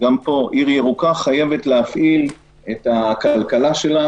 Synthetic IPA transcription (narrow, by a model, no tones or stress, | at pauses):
ɡampo̞ʔiʁjeʁukaχaje̞vetleafʔil | et̪hakalkalaʃe̞la